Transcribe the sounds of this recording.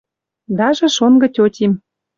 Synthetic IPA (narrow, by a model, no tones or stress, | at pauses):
d̪ɑʒĕʃonɡɤ̆tʲotʲim